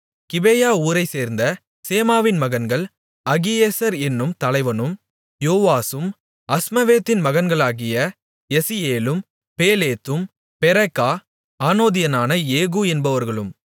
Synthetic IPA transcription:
kɪbejaːuːɾɐɪseːɾnd̪ɐ | seːmaːʋɪnmɐɣɐnɡɐɭ | ɐɣɪjeːsɐɾɛnːɯmt̪ɐlɐɪʋɐnɯm | joːʋaːsɯm | ɐsmɐʋeːt̪ːɪnmɐɣɐnɡɐɭaːɣɪjɐ | ɛsɪjeːlɯm | peːleːt̪ːɯm | pɛɾɐkːaː | aːnoːðɪjɐnaːnɐeːɣuːɛnbɐʋɐɾɣɐɭɯm

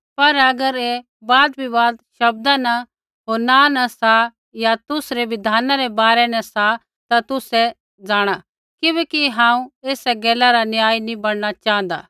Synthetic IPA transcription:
pɐɾɐɡəɾe | baːd̪̚bʱibaːd̪ʃɐb̚d̪ana | ɦoːɾnanɐsa | jat̪ʊsɾeʋɪd̪ʱaːnaɾɛbaːɾɛnɛ̃sa | t̪at̪ʊsɛ | d͡zaːɽ̃a | kɪbɛːkiɦãːũeːsɛɡɛːlaɾanjaːinĩbɐɽnat͡ʃaːə̃nd̪a̰ː

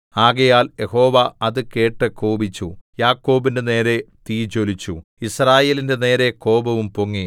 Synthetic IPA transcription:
aːɣɐjaːlje̞ho̞ːʋɐɐðɨke̞ːʈːɨkoːbit͡ɕːujaːkːo̞ːbindene̞ːɾe̞t̪iːt͡ɕo̞lit͡ɕːuisraːje̞ːlinde̞ne̞ːɾe̞ko̞ːbɐʋumpoŋːi

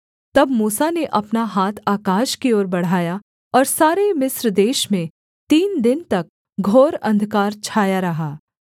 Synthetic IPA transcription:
t̪ɐbmuːsaneʔɐpnaɦaːt̪ʰaːkaːʃkioːɾbɐɽ̤aːja | ɔːɾsaːɾemɪsɾd̪eːʃmẽ | t̪iːnd̪ɪnt̪ɐk̚ | ɡʱoːɾɐ̃nd̪ʱkaːɾt͡ʃʰaːjaɾɐɦaː

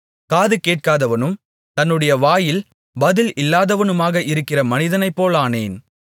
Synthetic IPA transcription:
kaːðɯkeːʈ̚kaːðɐʋɐnɯm | t̪ɐnːɯɽɐjɐʋaːjɪl | bɐðɪlʔɪlːaːðɐʋɐnɯmaːɣɐʔɪɾɯkːɪrɐmɐnɪðɐnɐɪpːoːlaːneːn

